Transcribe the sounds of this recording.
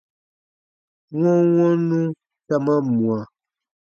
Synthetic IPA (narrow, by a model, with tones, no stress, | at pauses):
ŋɔ˦ŋɔ˦nũ˦ | ta˦ma˦mwa˨